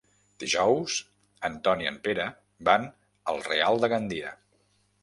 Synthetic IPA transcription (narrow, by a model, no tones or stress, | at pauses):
d̪̥iʒɔwz | ənt̪ɔniə̰mpeɾə | ban | əlˠrḛalˠd̪əɣənd̪iə̰